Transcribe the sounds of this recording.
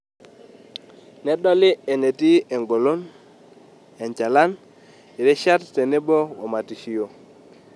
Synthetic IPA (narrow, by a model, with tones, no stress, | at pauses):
nɛ˦ɗɔ˦lɪ˦e˨ne˨ti˦e˨ŋɡo˨lo˦n | ɛ˨ɲt͡ʃa˨la˦n | ɪ˨ɾɛ˦ʃa˦tte˨ne˦bo˦wɔ˨ma˨ti˨ʃi˨jo˨